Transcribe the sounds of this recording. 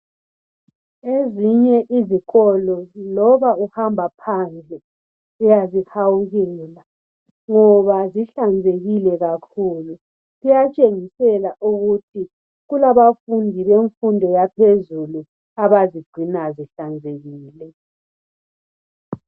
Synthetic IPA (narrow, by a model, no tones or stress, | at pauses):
eziɲɛʔiziɣɔlɔlɔβauhambʱapʰand͡ɮʱɛ | ujazihawuɣɛːla | ŋɔβaziɬand͡zʱeɣilɛɣakʰuːlu | ɣujat͡ʃʼeŋisɛlaʔuɣutʰi | ɣulaβafundʱiβeɱfundʱɔjapʰezulu | aβaziɡ͡ǀʱinaziɬand͡zʱeɣiːlɛ